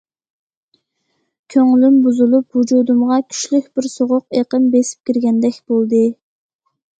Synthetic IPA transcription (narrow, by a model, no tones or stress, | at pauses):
kʲʰøŋlymbuzulˠuphud͡ʒud̪umʁɑkʲʰy̥ʃlykʲb̥ɪɾsoʁʊqeqəmbesɪ̥p̚kʲiɾɡʲɛnd̪ɛkʲbolˠd̪ɨ